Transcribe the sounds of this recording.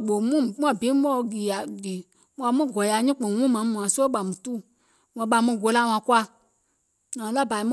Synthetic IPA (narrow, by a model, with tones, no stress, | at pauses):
ɓo˨mũ˦mũ˦ã˨bĩ˨˦mɔ̃˦˨˧ɡi˨a˨di˨ | mũ˧˦ã˧mũ˦˨ɡɔ˨ja˧˨˦ɲĩ˦k͡põ˨wũ˦mã˨˦mũ˨ã˨so˦ɓa˨mũ˨tu˦˨ | wã˧˨ɓa˧˨mũ˧˨ɡo˧˦la˦˨˧w̃ã˧˨kwa˧ | nã˨˦la˦˨ba˨i˧mũ˦